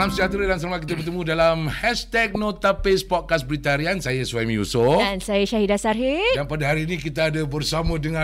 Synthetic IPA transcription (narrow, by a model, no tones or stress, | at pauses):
lamsəd͡ʒat̪ɾadans̬əɾmak̬it̪abərt̪əmũdalamhɛst̪ɛk̚nõt̪apespɔd̚kasbəɾit̪aɾiansajasuamĩṵsoansajaʃaɦidasarɦidanpadaɦaɾiːnĩkit̪aːdabərsamãdəŋã